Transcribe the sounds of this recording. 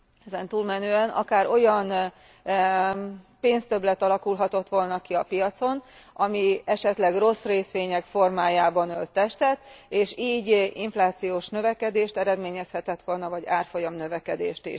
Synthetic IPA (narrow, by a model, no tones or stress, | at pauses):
ɛzɛnt̪uːlmɛnøːɛnʔɒ̰kaːɾo̞jɒn | peːnst̪ø̞blɛt̪ɒlɒkulɦɒt̪o̞t̪ʋo̞lnɒkiɒpijɒt̪so̞n | ʔɒmiɛʃɛt̪lɛɡro̞sreːsʋeːɲɛkfo̞rmaːjaːbɒnølt̪ːɛʃt̪ɛt̪eːʃiːɟiɱflaːt̪sijoːʃnø̞vɛkɛd̪eːʃt̪ɛɾɛd̪meːɲɛshɛt̪ɛt̪ʋo̞lnɒvɒɟaːrfo̞jɒmnø̞vɛkɛd̪ḛːʃt̪ḭʃ